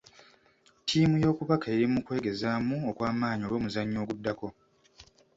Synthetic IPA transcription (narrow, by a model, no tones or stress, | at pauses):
tʰiːmujo̞ːkuβakaeɾimukwe̞ːɡe̞zaːmuokwaːmaːɲio̞ɾwo̞ːmuzaɲːo̞ːɡudːako̞